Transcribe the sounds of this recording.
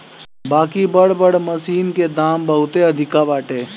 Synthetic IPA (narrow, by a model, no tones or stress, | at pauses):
baːkibəɽ̤bəɽməsiːnked̪aːmbəɦʊt̪eɐd̪ʱɪkabaːʈeː